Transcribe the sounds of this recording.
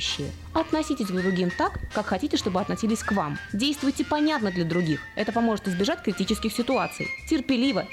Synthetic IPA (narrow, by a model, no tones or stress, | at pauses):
ɕːɪjə̰ | ɐt̪nɐsʲitʲɪsʲɡd̪ɾʊɡʲimt̪akːakxɐtʲitʲɪʂt̪o̞bɨɐt̪nɐsʲilʲɪsʲkvamdʲejst̪vʊjtʲɪpɐnʲat̪nəd̪lʲɐd̪ɾʊɡʲixɛt̪əpɐmo̞ʐɨt̪ɪzbʲɪʐatʲkɾʲɪtʲit͡ɕɪskʲɪxsʲɪt̪ʊat̪sɨ̰jtʲɪrpʲɪlʲivə